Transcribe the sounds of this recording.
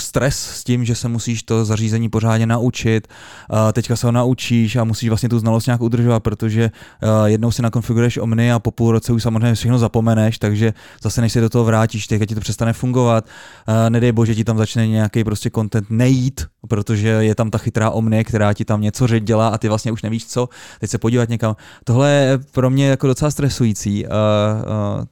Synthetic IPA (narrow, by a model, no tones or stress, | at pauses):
st̪ɾɛsscɪmʒɛsɛmusiːʃt̪o̞zariːzɛɲiːpo̞r̝aːdɲɛnaʔut͡ʃɪt̪t̪ɛckasɛɦo̞naut͡ʃiːʃamusiːʃvlastɲɛt̪uznalost̪ɲaːkud̪r̩ʒovat̪̚pɾo̞t̪o̞ʒɛjɛdno̞wsɪnako̞nfɪɡuɾujɛʃʔo̞̰mnɪapo̞puːlɾo̞t͡sɛuʃsamozrɛːɲːɛfʃɛxnozapo̞mɛnɛʃt̪aɡʒɛ | zasɛnɛʃsɛdo̞t̪oɦovɾaːciːʃt̪ɛckacɪt̪opr̥ɛst̪anɛfuŋɡo̞vat̪nɛdɛjboʒɛcɪt̪amzat͡ʃnɛɲɛjakejpɾo̞scɛko̞nt̪ɛnt̪nɛjit̪pɾo̞t̪o̞ʒɛjɛt̪amt̪axɪt̪ɾaːʔomnɪɛkt̪ɛɾaːcɪt̪amɲɛt͡so̞rɛd͡ʒɟɛlaːʔat̪ɪvlast̪ɲɛuʃnɛviːʃt͡so̞t̪ɛcsɛpo̞ɟiːvat̪ɲɛkamt̪oɦlɛjɛpɾo̞mɲɛjako̞do̞t͡sɛlast̪ɾɛsujit͡siː